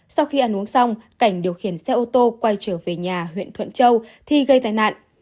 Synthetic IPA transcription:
sa˧wxi˧ʔaː˧˩nŋʔu˨˦əŋsa˧wŋ͡mka˧˩jŋ̟ɗi˨˩əwxi˧˩ənsɛ˧ʔo˧t̪o˧kwa˧jt͡ɕəː˧˩ve˨˩ɲaː˨˩ɦwḭ˧˨ənt̪ʰwə̰˧˨nt͡ɕə˧wt̪ʰi˧˩ɣə˧jt̪aː˨˧˦jna̰ː˧˨nʔ

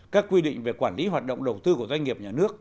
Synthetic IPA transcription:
kaː˦˥kːwi˧ɗḭ̈˧˨ŋ̟ve˨˩kwaː˧˩nli˨˦ɦaː˨˩t̚ɗo̰˧˨ŋ͡mɗə˨˩wt̪ɨ˧ku˧˩əzwa˧jŋ̟ŋi˨˩əp̚ɲaː˨˩nɨ˦˥ək̚

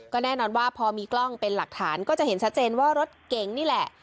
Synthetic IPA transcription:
kɔː˥˩nɛː˥˩nɔː˧nwaː˥˩pʰɔː˧miː˧klɔ˥˩ŋpe˧nla˨˩k̚t̪ʰaː˩˦nkɔː˥˩t͡ɕa˨ʔhe˩˦nt͡ɕʰa˦˥t̪̚t͡ɕeː˧nwaː˥˩ɾo˦˥t̪̚ke˨ŋniː˥˩lɛ˨˩ʔ

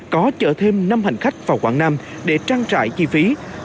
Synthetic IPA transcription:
kɔ˨˦t͡ɕə̰ː˧˩t̪ʰe˧mna˧mha˨˩jŋ̟xa˦˥jk̟̚vaː˨˩wxwa̰ː˧˩ŋnaː˧m | ɗe˧˩t͡ɕaː˧ŋt͡ɕa̰ː˧˨jt͡ɕi˧fi˨˦

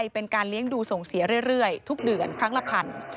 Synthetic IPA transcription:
jpe˧nkaː˧nli˦˥əŋduː˧so˨˩ŋsi˨˩˦ɐɾɯ˥˩əjɾɯ˥˩əjt̪ʰu˦˥k̚dɯ˨˩ənkʰɾa˦˥ŋla˧˩pʰa˧˩n

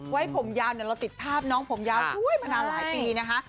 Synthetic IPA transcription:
wa˦˥jpʰo˩˦mjaː˧wni˧˩ɾla˧wt̪i˨˩t̪̚pʰaː˥˩p̚nɔː˦˥ŋpʰo˩˦mjaː˧wtʰu˦˥˩əjmaː˧naː˧mlaː˨˦jpiː˧na˦˥kʰa˦˥ʔ

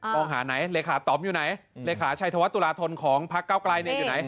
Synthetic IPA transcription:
mɔː˧ŋɦaː˩˦na˩˦jleː˧kʰaː˩˦t̪ɔː˨˩m̚juː˨˩na˩˦jleː˧kʰaː˩˦t͡ɕʰa˧jt̪ʰa˧wa˦˥t̪ːu˧laː˧t̪ʰo˧nkʰɔː˩˦ŋpʰa˦˥kːaː˥˩wklaː˧jni˧˩əjuː˨˩na˩˦j

